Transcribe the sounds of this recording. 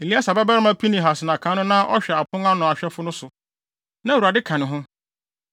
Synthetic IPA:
e˨li˦a˦sa˨bɛ˦ba˦ɾɪ˦mã˦pʰi˦nĩ˨ɦa˨sɪ˨nã˨kʰã˨˦nʊ̃˦nã˦ʔɔ̰˦ɕᶣɛ˨a˨pʰʊ̃˦ŋa˦nʊ̃˨a˨ɕᶣɛ˦fʊ˦nʊ̃˦sʊ˨ | nã˦˨wa˨dɪ˦kʰã˨nɪ̃˨ɦʊ̃˦

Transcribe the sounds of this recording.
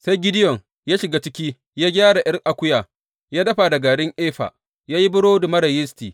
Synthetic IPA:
sa˦jɡʲɪ˦dɪ˦jɔ˨ŋ | jaː˦ʃɪ˨ɡaː˦t͡ʃɪ˦kʲiː˦ | jaː˦ɡʲaː˦ɽa˨ʔɪ˦rʔa˨kʷʊ˦jaː˨ | jaː˦dɐ˦ɸa˨dɐ˨ɡa˨ɽɪ˦ŋʔeː˦ɸa̰˨ | jaː˦ji˦bʊ˦ɽoː˦dʊ˨mɐ˦ɽɐ˨jɪ˦stiː˨

